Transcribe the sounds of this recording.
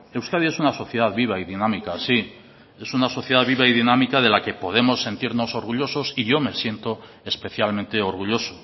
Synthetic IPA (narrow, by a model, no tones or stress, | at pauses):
e̞wskað̞ie̞sunaso̞θje̞ð̞aðβiβ̞aiðinãmikasi | e̞sunaso̞θje̞ð̞aðβiβaiðinamikað̞e̞lake̞po̞ð̞e̞mo̞sːe̞nt̪iɾno̞so̞ɾɣuʎo̞so̞siʝo̞me̞sje̞nt̪o̞ | espeθjalment̪e̞o̞ɾɣ̞uʎo̞so